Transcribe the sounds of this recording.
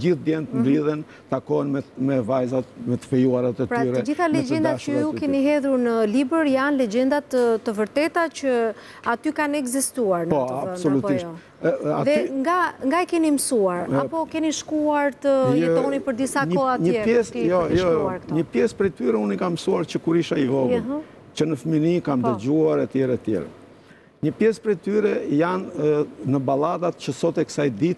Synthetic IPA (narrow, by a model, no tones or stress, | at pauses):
ɟiθd̪jɛnt̪nliðɛn | t̪akɔɛnmɛmɛvajzat̪mɛt̪ə̥fɛjuaɾat̪ɛtpɾayɾɛd͡ʒiθalɛd͡ʒɛnd̪at͡ʃəukɛniɦɛðuɾnəlibəɾjanlɛd͡ʒɛnd̪at̪əəvəɾt̪ɛt̪at͡ʃə | at̪ykanɛɡzist̪uaɾnpɔabsɔlutp̪iʃtɔ | aðɛŋɡaŋɡaɛkɛniməsuaɾapɔkɛniʃkuaɾt̪ət̪ɔnipəɾd̪isaɲəɔaɲəjɛɛsjɔjɔjɔaɾɲəpjɛspɾɛt̪yɾɛunikamsuaɾt͡ɕəkuɾiʃaivɔvi | t͡ɕənəfəminikamd̪əɟuaɾɛt̪jɛɾɛt̪jɛ̰ɾɛ̰ | ɲəpjɛspɾɛt̪yɾɛjannəbalad̪at̪t͡ɕəsɔt̪ɛkə̥sajd̪it̪